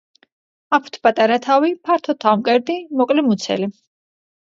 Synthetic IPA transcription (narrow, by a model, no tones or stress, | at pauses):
apʰu̥t̪ʰpʼat̪ʼaɾat̪ʰavipʰaɾt̪ʰɔt̪ʰamkʼɛɾd̪imɔkʼlimut̪sʰɛ̰li